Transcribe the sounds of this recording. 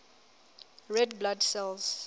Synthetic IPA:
ɹɛd̚bladsɛlz̥

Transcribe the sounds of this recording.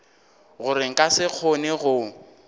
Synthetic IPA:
ɣʊɾɪŋ̩kʼasɪk͡xʰoneɣʊ

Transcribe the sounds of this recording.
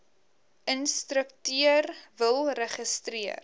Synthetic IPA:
ənstɾəktyərvəlˠrəχəstriər

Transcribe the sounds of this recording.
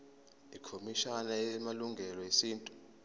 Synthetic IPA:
ikʰomiʃanaɛmaluŋɡʱɛlɔesiːntʼu̥

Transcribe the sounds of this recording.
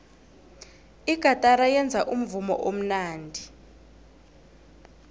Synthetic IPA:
iɡ̥ʱatʼaɾajɛnd͡zʱaʔum̩vumɔ̰ʔom̩naːndʱi

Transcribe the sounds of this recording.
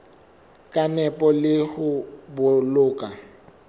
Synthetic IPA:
kʼanɛpʼɔlɪhʊbʊlʊːkʼa

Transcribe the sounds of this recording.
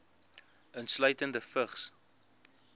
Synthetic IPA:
əntslœɥtəndəfəχs

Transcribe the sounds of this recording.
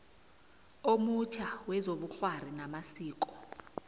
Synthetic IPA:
omut͡ʃʰawɛzoɓuɬwar̤inamasiːk̬ʼɔ̥

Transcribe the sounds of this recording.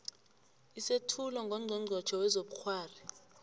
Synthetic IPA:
isetʰulɔŋɡʱɔŋ͡ǀʱɔŋ͡ǀʱɔd̥ʒ̥ʰʱɔwɛzoɓuxʰwaːri

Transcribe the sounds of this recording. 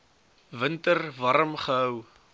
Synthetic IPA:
vəntərvɐɾəmχəɦəw

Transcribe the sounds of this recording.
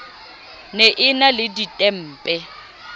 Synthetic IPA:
neʔɪnalɪditʼɛm̩ːpʼɛ

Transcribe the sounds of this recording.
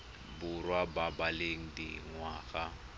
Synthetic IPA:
bʊrwababaleŋ̩dɪŋwaːɣa

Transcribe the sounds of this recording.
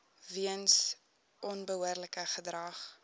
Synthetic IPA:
viəns | ʔɔnbəɦuərləkəχədrɐχ

